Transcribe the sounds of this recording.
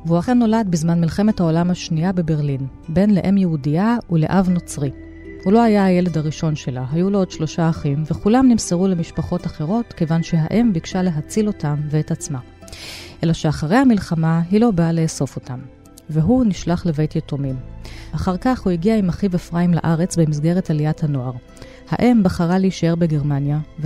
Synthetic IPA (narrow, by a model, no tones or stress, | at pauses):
veuaχe̞nːo̞lad̚bizmanmilχe̞me̞thao̞lamhaʃniabe̞be̞ʁlin | be̞nleʔe̞mjeudiaule̞̰ʔavno̞t͡sʁi | hulo̞ajaːje̞le̞daʁiʃo̞nʃe̞laɦajuloodʃlo̞ʃaːχimveχulamnimseʁule̞miʃpaχo̞taχe̞ʁo̞tke̞vanʃe̞ɦaʔe̞mbikʃale̞ɦat͡silo̞tamveetat͡sma | ʔe̞laʃe̞aχaʁe̞jhamilχamaɦilo̞baːleːso̞fo̞tam | veɦuniʃlaχleve̞jtjetomimaχaʁkaχhuiɡiaimaχivefʁaimla̰ʔaʁe̞t͡sbe̞mizɡe̞ʁe̞taliathano̞aʁ | haʔe̞mbaχaʁaleiʃae̞ʁbeɡe̞ʁmanjav